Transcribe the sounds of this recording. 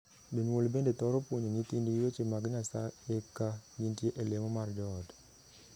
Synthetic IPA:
deɲwolbendet̪ɔɾɔpwoɲoɲit̪indijot͡ʃemaɡɲasa̰ekaɲintjeʔelemɔmard͡ʒɔd

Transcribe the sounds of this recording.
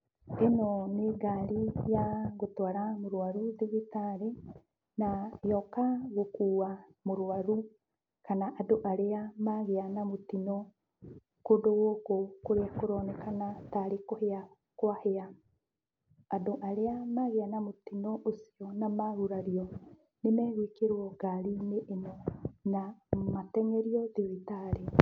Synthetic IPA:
enoneɡaɾijaɣotwaɾamoɾwaɾuðiɣitaɾe | najɔkaɣokuːwamoɾwaɾu | kanaʔadoʔaɾeamaɣeanamotinɔ | kodowokokoɾeakoɾɔːnɛkanataɾekohea | kwahea | doʔaɾeamaɣeanamot̪inɔʔosiɔnamaɾuɾaɾiɔ | nemɛːɣekeɾwɔɡ̥aɾineʔːnɔnamatɛŋɛɾiɔðiβitaɾe

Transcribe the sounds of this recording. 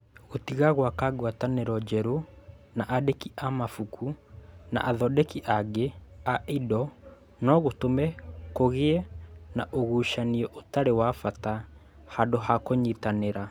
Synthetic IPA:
ɣotiɣaɣwakaɡwataneɾɔd͡ʒɛɾo | naʔadekiʔamafukʰuna̰ʔaðɔdekiʔaɡeaidɔ | nɔɣotomɛkoɣeɛnaʔoɣuːʃaniɛʔotaɾewafata | hadohakoɲitaneɾa

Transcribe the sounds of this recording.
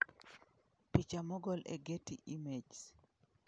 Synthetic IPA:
pit͡ʃamɔɡɔlḛɡetiʔimed͡ʒs

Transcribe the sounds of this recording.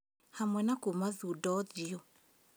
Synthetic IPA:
hamwɛnakumaðudɔd͡ʒiɔ

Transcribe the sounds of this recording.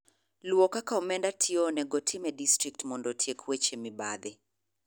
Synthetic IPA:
lwɔkakaɔmɛndatʰionɛɡɔtʰɪmɛdistɾik̚tmɔndɔtʰjekʰwet͡ʃemɪbaðɪ

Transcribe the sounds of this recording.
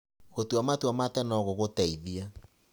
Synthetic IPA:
ɣotwamatwamatɛnɔɣoɣotɛiðia

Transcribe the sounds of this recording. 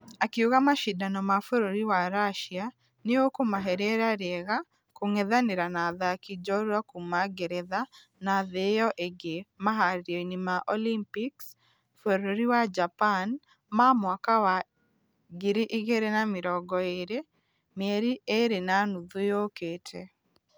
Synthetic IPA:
akiuɣamaʃidanɔmafoɾoɾiwaɾaʃia | neokomaɦɛɾɛɾaɾɛɣa | koŋɛðaneɾanaðakid͡ʒɔɾwakumaɡeɾɛða | naðejɔʔeɡemaɦaɾjoinimaʔɔlimpiks | foɾoɾiwad͡ʒapan | mamwakawa | ɡiɾiʔiɣeɾenamɪɾɔɡɔeɾe | meɾieɾenanuðujoketʰe

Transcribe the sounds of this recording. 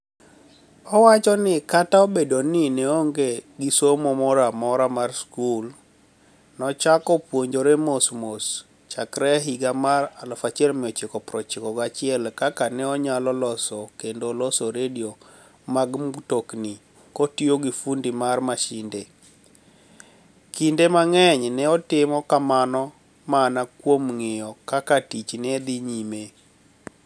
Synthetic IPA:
ɔwat͡ʃɔnɪkataobedonɪnɛoŋɡeɡisomomɔɾamɔɾamarskul | nɔt͡ʃakɔpwoɲd͡ʒoɾemosmos | t͡ʃakɾɛɦiɡamaralɔfat͡ʃɪɛlmɪɔt͡ʃɪkɔpɾɔt͡ʃɪkɔɡat͡ʃɪɛlkakanɛɔɲalɔlɔsɔkendolɔsɔɾedio | maɡmtokni | kotioɡifundimarmaʃɪnde | kindemaŋɛɲnɛɔtɪmɔkamanɔ | maːnakwomŋɪjɔkakatit͡ʃnɛd̪iɲime

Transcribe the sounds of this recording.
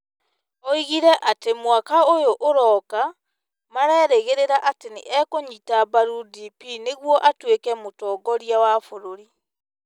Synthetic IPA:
ɔiɣiɾɛʔatemwakaojoʔoɾɔka | maɾɛːɾeɣeɾeɾaʔatenḛʔɛkoɲitabaɾudipineɣwɔʔatwekɛmotɔːɡɔɾjawafoɾoɾi

